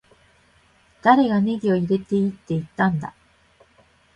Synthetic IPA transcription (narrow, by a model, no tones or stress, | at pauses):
d̪̥aɾe̞ɡane̞ɡʲio̞iɾe̞t̪e̞it̪ːe̞it̪ːãnd̪a̰